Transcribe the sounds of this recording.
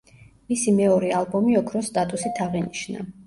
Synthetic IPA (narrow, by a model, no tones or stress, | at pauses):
misimɛɔɾɛalˠbɔmiɔkʰɾɔst̪ʼat̪ʼusit̪ʰaʁiniʃna̰